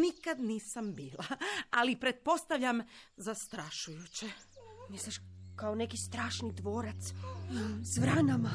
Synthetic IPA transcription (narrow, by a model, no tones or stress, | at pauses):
nikad̪niːsambiːlaalipɾe̞t̪̚po̞st̪aʋʎamzast̪ɾaʃujut͡ɕemislʲiʃkaone̞kist̪ɾaːʃnid̪ʋoːɾat̪s | sʋɾanama